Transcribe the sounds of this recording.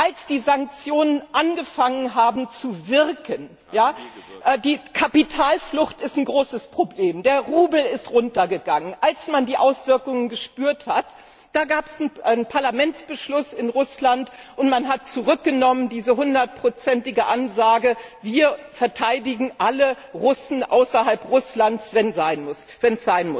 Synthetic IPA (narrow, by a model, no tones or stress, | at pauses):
ʔalsd̥iːzaŋk̚t͡sjoːnənʔanɡəfaŋənɦaːbm̩t͡suvɪʁkʰən | jaːʔdiːkʰapitʰaːlflʊxtɪstn̩ɡʁoːsəspʁ̥obleːmdeːɐʁuːbl̩ɪstʁʊntɐɡəɡaŋənʔalsmandiːʔaʊsv̥ɪɐkʊŋənɡəʃpyːɐthat | d̥aːɡaːpɛsn̩npʰaɐlamɛnt͡sb̥əʃlʊsɪnʁʊslantʔʊntmanɦat̚t͡suʁʏk̚ɡ̥ənɔməndiːzəɦʊndɐt̚pʁ̥ot͡sɛntɪɡəʔanzaːɡəviːɐfɛɐtʰaɪdɪɡŋ̩ʔalə | ʁʊsn̩ʔa̰ʊsɐɦalpʁʊslansv̥ɛnzaɪnmʊsv̥ɛnsz̥aɪnmʊs